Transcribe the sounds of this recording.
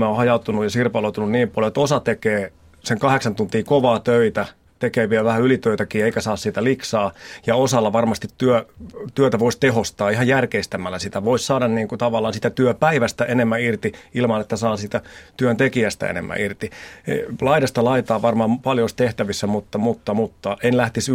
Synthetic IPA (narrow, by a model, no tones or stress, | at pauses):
mæohɑjɑut̪unujɑsirpɑlout̪ununniːmpɑljoet̪osɑt̪ekeː | seŋkɑheksɑnt̪unt̪iːkoʋɑːt̪øit̪æ | t̪ekeːʋiɛlʋæhæylit̪øit̪ækiːeikæsɑːssiːt̪æliksɑːjɑosɑlːɑʋɑrmɑst̪it̪tyøt̪yøt̪æʋoist̪eɦhost̪ɑːihɑjjærkeist̪æmːælːæsit̪æʋoissɑːdɑnniːŋkut̪ɑʋɑlːˑɑːnsit̪æt̪yøpæiʋæst̪æenemːæirt̪iilmɑnet̪ːæsɑːsiːt̪æt̪yønt̪ekiæst̪æ̰ḛnḛmːæ̰irt̪iḛlɑidɑst̪ɑlɑit̪ɑːʋɑrmɑmpɑljost̪eht̪æʋisːæmut̪ːɑmut̪ːɑmut̪ːɑʔenlæht̪is